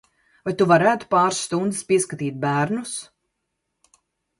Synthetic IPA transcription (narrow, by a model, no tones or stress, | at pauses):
vajt̪uvaɾæːt̪u̥paːɾsːt̪und̪ɨspiɛskat̪iːt̪̚bæːɾnus